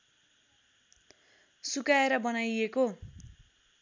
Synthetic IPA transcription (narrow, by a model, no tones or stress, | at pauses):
sukaeɾʌbʌnajeko